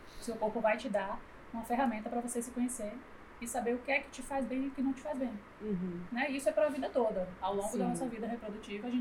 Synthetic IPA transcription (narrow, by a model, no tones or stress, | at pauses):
seʊwkoɾpʊvajt͡ʃɪd̪a | ũmɐfeɦamẽnt̪ɐpɾɐvosesɪkõɲeseɾ̃ | ɪsabeɾʊkɪɛkɪ̥t͡ʃɪfazbẽj̃iʊkɪnɐ̃w̃t͡ʃɪ̥fazbẽj̩̃ | nɛisʊɛpɾɐɐvid̪ɐt̪od̪ɐawlõɡʊd̪ɐnɔsɐvid̪ɐɦepɾod̪ut͡ʃivɐaʒẽ